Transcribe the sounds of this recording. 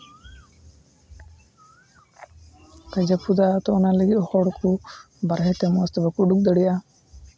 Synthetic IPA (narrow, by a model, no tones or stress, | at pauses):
kad͡ʒapud̪at̪ɔɔnaləɡit̪ɔhɔɽkʰu | baɾɦɛt̪ɛmɔast̪ɔbakuɖuk̚d̪əɽɛja